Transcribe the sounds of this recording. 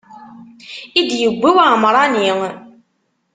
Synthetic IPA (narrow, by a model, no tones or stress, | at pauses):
idijiɡʷewamaɾˤaniŋ